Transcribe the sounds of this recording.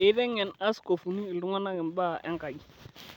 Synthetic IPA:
ɪ˨˦dɛ˦ŋɛ˨na˦sko˨fu˨niː˦˨ldʊ˦ŋa˦na˦ɡɪ˨mba˦ʔɛ̰˦ŋka˨ɡi˨

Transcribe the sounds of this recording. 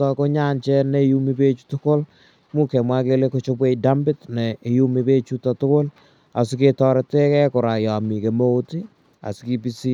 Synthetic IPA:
ɔ˨ko˦ɲa˦nt͡ʃɛ˦nɛ˦˨ju˦mi˦be˦t͡ʃu̥˦tʊ˦ko˦l | mu˦kɛ˨mwa˦ke˦le˦ko˦t͡ʃɔ˦bwe˦ida˦mbɪ˦tnɛ˨ju˦mi˨pe˦t͡ʃu˦ta˨tʊ˦ko˦l | a˨sɪ˦ke˨tɔ˨ɾɛ˨tɛ˦kɛ˦kʊ˨ɾa˨jɔ˨mi˨ke˨mo˦o˦ti˦ | a̰˨sɪ˦ki˦pi˦si˦

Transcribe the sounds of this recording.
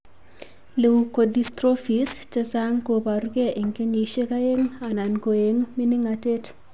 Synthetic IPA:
le˨u˨ko˨di˦stɾo˦fi˨st͡ʃe˦saŋko˨pa˨ɾke˦ʔi˨ŋke˦ni˨ʃe˦ka˦je˦ŋa˨na˨nko˨je˨˦ŋmi˦ni˦ŋa˨te˦t

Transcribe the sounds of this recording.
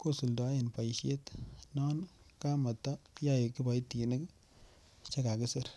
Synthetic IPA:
ko˦˨su˨lda˨˦je˨npa˨jʃe˦tnɔ˦nka˦ma˨ta˦ja˦˨ki˦ba˨jti˨ne˦k | t͡ʃa˦ka˨kɪ˦sɪ˦ɾ

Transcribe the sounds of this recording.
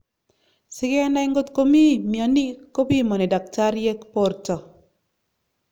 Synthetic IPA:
sɪ˦kɛ˦na˦ɪ˦ŋɡo˦t̪ko˦mi˦˨mja˨ni˦ko˦pi˦mɔ˨ni˨da˨k̚ta˦ɾje˦kpo˨˦ɾtɔ˨

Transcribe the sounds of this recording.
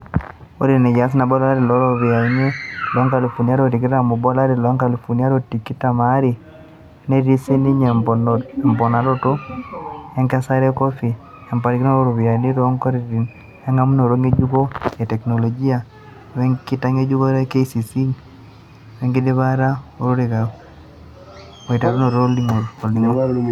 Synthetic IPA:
o˦ɾi˨nɛ˨ja˨˦s̬ɪ˦na˨bɔ˦la˦ɾi˨lɔ˨˦ɾo˦˨βi˨a˨˦ɲe˦lɔ˨˦ŋka˨li˨fo˨ni˦a˦ɾo˦˨ɾi˨k̬i˦ɾa˨mu˨bɔ˦la˦ɾi˨lɔ˨˦ŋka˨li˨fu˨ni˦a˦ɾo˦tːi˨ki˦ta˨ma˨˦ɾi˨˦ | ne˦ɾi˦si˦ni˦ɲe˨mɛ˨mpɔ˨na˨ɾo˦to˦ | ɛ˦ŋka˦sa˦ɾɛ˦kɔ˦fi˨ | ɛ˨mpa˨ɾi˨ko˦o˦ɾo˨βi˨a˨ni˦ɾɔ˦ŋkɔ˦ɾi˦ɾi˨n | ɛ˦ŋa˦mu˦no˨ɾo˦ŋe˦d͡ʒu˦ɡo˦e˨tɛ˨kno˨lɔ˨ɡi˦a˨ | wɛ˦ŋki˦ta˦ŋe˦d͡ʒu˦ɡo˦ɾe˦ke˦si˨si˦ŋ | wɛ˦ŋɡi˦de˦βa˦ɾa˦o˨ɾo˦ɾi˨ka˨ | o˨i˨ta˨ɾo˦no˨ɾo˦li˦ŋo˨ɾo˨li˦ŋo˦

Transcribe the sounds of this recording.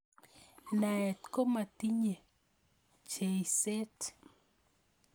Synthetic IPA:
na˨ɛ˨t̪ko˦ma˨ti˦ɲe˨ | t͡ʃe˨ise˦t

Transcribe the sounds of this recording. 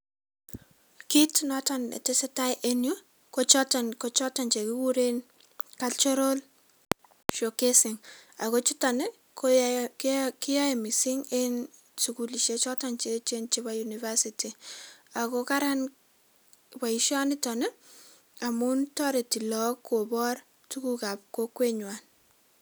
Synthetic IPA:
ki˦tnɔtɔ˦nḛ˨tɪ˦sɛ˦ta˦jʔenjo | kot͡ʃɔtɔnko˦t͡ʃɔ˦tɔ˨nt͡ʃe˨ki˦ku˦ɾe˦n | ka˦lt͡ʃɔ˦ɾo˦l | ʃo˨ke˦sɪ˨ŋa˨ko˦t͡ʃi˦ta˨nɪ˦ | kokkɪ˦ja˦e˨mi˨si˦ŋe˦n | suku˨li˨ʃe˦t͡ʃɔ˦tɔnt͡ʃe˦t͡ʃe˦nt͡ʃe˦βa˦juniva˦siti˨a˨koka˦ɾa˦n | ba˨iʃɔ˦nɪ˦tɔ˨ne˦ | a˨mu˦ntɔ˦ɾe˨ti˨lɔ˦kːo˨bɔ˦r | tu˦ku˦ka˨p̚ko˦kwe˦ɲwa˨n

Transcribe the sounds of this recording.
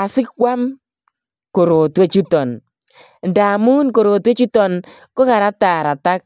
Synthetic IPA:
a˨sɪ˦kwa˦m | ko˨ɾo˨twe˦t͡ʃu˦tɔ˨n | nda˨mu˦nko˨ɾo˨twe˦t͡ʃu˦tɔ˨n | ko˦ka˨ɾa˦ta˨ɾa˨ta˦k̚

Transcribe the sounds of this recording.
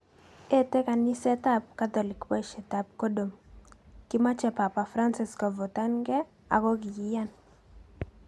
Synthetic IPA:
e˦tɛ˦ka˨ni˦sɛ˦ta˦p̚ka˦t̪ɔ˨li˨kbɔ˦i˨ʃɛ˨ta˨p̚ko˦do˨m | kɪ˦ma˦t͡ʃɛ˨pa˨pa˨fɾa˦nsɪ˦skɔ˨vɔ˨ta˦nɡɛ˦ | a̰˨kɔ˦ɡi˨ji˦ja˦n

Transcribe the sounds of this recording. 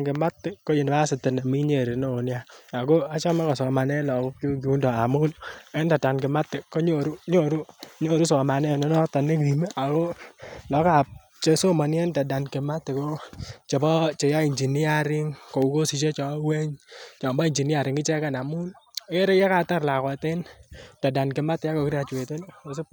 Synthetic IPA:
nkɪ˨ma˦tːɪ˦ko˦ji˨n˨ba˦sɪ˨tɪ˨na˨mi˦ɲe˨ɾe˨no˦o˨nja˦a˨ko˦a˦t͡ʃɔ˦ma˦kɔ˨sɔ˨ma˨nɛ˦lɔ˨ko˦ku˦ku˦ndɔ˨a˨mu˦ne˦nda˨da˨nkɪ˨ma˦tɪ˨ko˦ɲo˦˨ɾu˦ɲo˦˨ɾu˦ɲo˦˨ɾu˦sɔ˨ma˨nɛ˦˨nɔ˦nɔ˦ta˨nɪ˦ki˨me˦ʔa˨ko˦lɔ˨˦ka˨p̚ | t͡ʃe˦so˦ma˨n˦e˦nta˨da˨nkɛ˨ma˦tːe˨ko˦t͡ʃe˨bɔ˦t͡ʃe˨ja˦i˨ɲd͡ʒi˨ni˦a˦˨ɾɪ˦ŋko˨u˨˦ko˦si˨t͡ʃe˦t͡ʃɔ˨wɛ˦ɲt͡ʃɔ˨mbɔ˦i˨ɲd͡ʒi˨ni˦a˨ɾɪ˨ŋkɪ˦t͡ʃɛ˦ka˦na˨mu˦n˦e˦ɾe˦jɛ˦ka˨ta˦ɾla˨ka˨te˦nta˨da˨nkɛ˨ma˦tːɪ˨a˦ko˨ki˦ɾa˨t͡ʃwe˨te˦no˨s̬e˦

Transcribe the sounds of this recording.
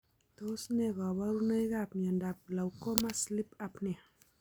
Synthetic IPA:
t̪o˦sne˧˨kɔ˨ba˦ɾu˦na˦jka˦˨p̚ma˨nda˨p̚la˨wko˦ma˦sli˦pa˧pni˨

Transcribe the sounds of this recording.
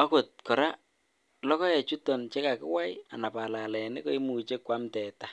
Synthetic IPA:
ɔ˦kʊ˨t̚kɔ˨ɾa˦ | lɔ˦kɔ˦jɛ˨t͡ʃu˦tɔ˨nt͡ʃe˦ka˨kɪ̰˦wa˦ja̰˨na˨pa˨la˨lɛ˨nɪ˦ko˦i˦mu˨t͡ʃe˦kwa˦mtɛ˨ta˦

